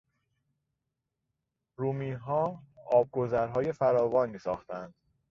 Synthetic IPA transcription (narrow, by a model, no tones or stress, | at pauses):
ɾuːmiːnɦɒːɒːb̚ɡo̞zæɾɦɒːje̞fæɾɒːvɒːnmiːsɒːxt̪ʰænd̪̥